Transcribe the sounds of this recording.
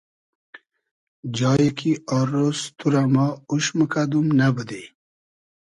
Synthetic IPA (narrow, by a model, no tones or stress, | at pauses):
d͡ʑɑːjekʰiaɾost̪ʰuɾamauɕməkad̪umnabəd̪e